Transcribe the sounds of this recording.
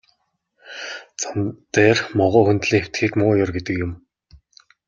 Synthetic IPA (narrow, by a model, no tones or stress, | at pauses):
t͡samt̪eːrmɔʁʊːxunt̪ɮiːŋxew̥ʲt̪xiːkmʊːjɔrɡet̪ɘ̆kjʊm